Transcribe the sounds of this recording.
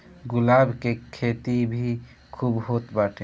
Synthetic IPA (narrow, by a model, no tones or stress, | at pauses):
ɡʊlaːbkekʰeːt̪ibʱi | kʰuːbɦoːt̪baːʈʰẽ